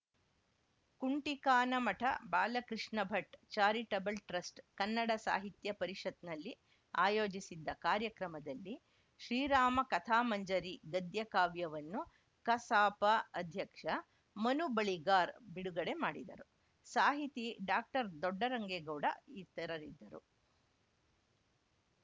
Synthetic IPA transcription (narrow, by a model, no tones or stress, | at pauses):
kuɳʈikaːnɐmɐʈʰɐ̰baːlɐkɾiʂnɐbʱɐʈt͡ʃaːɾiʈɐbɐlʈɾɐsʈkɐnːɐɽɐsa̰ːɦit̪jɐpɐɾiʂɐt̪nɐlːi | aːjoːd͡ʒisid̪ːɐkaːɾjɐkɾɐmɐd̪ɐlːi | ʃɾiːɾaːmɐkɐt̪ʰaːmɐɲd͡ʒɐɾiɡɐd̪jɐkaːʋjɐʋɐnːu | kɐsaːpɐɐd̪ʱjɐkʂɐ | mɐnubɐɭiɡaːɾbiɽuɡɐɽe̞maːɽid̪ɐ̰ɾu | saːɦit̪iɖaːk̚ʈɐɾd̪ɔɖːɐɾɐŋɡeɡɐwɽɐ̰it̪ːɐɾɐɾid̪ːɐɾṵ